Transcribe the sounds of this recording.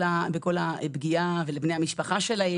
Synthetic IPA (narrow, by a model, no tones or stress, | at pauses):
abeko̞labɡiavelebnejamiʃpaχaʃelae